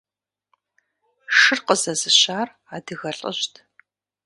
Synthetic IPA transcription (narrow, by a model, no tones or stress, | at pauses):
ʂɨrqəzɐzɨɕaːr | aːdɨɣɐɬʼə̰ɕtʰ